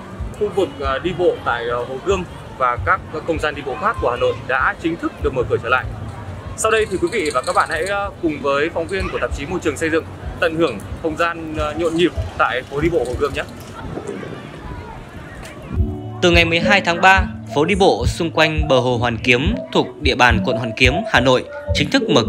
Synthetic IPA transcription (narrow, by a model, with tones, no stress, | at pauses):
xu˧vɨ˨˩k̚ɗi˧ɓo̰˧˨t̪a̰ː˧˨jho˨˩ɣɨ˧əm | vaː˨˩kaː˦˥k̚ːə˧wŋ͡mzaː˧nɗi˧ɓo̰˧˨xaː˦˥p̚ku˧˩əhaː˨˩no̰˧˨jɗa̰ː˧˥t͡ɕï˨˦ŋt̪ʰɨ˦˥k̚ɗɨ˨˩ək̚məː˧˩kɨ˧˩ət͡ɕəː˧˩la̰ː˧˨jsa˧wɗə˧jt̪ʰi˨˩kwi˨˦vḭ˧˨vaː˨˩kaː˦˥k̚ɓa̰ː˧˨nha̰˧˥jkʊ˨˩ŋ͡mvəː˨˦jfa˨˦wŋ͡mvi˧ənku˧˩ət̪a˨˩p̚t͡ɕi˨˦mo˧jt͡ɕɨ˨˩əŋsə˧jzɨ̰˧˨ŋt̪ə̰˧˨nhɨ˧˩əŋxə˧wŋ͡mzaː˧nɲo̰˧˨nɲi˨˩p̚t̪a̰ː˧˨jfo˨˦ɗi˧ɓo̰˧˨ho˨˩kɨ˧əmɲə˦˥t̚ | t̪ɨ˨˩ŋa˨˩jmɨ˨˩əjɦaː˧jt̪ʰaː˨˦ŋɓaː˧fo˨˦ɗi˧ɓo̰˧˨sʊ˧ŋ͡mkwa˧jŋ̟ɓəː˨˩ɦo˨˩ɦwaː˨˩nki˨˦əmt̪ʰu˨˩ək̚ɗḭ˧˨əɓaː˨˩nkwə̰˧˨nhwaː˧˩nki˨˦əmhaː˨˩no̰˧˨jʔ | t͡ɕï˨˦ŋt̪ʰɨ˦˥k̚məː˨˩